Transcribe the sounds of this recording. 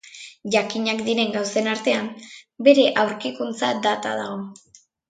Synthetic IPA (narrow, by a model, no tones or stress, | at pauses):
ʝakiɲakd̪iɾe̞ŋɡawse̞naɾt̪e̞ambe̞ɾe̞ʔawɾkikunt͡sad̪at̪a̰ðaɣo̞